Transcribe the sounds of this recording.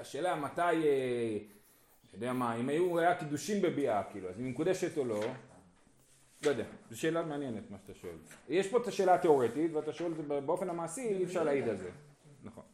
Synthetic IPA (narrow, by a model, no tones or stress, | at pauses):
aʃe̞ːlamat̪aje | jod̪eamaimajuajakid̪uʃimbe̞biakiːluazimmekud̪eʃe̞t̪o̞lo̞ | lojd̪ea̰zeʃe̞ːlameanjenet̪maʃat̪aʃoḛljeʃpo̞et̪aʃeːlate̞o̞ʁe̞t̪it̪veat̪aʃoelzebbeo̞fe̞namaːsiefʃaʁlaid̪alzḛ | naχo̞̰n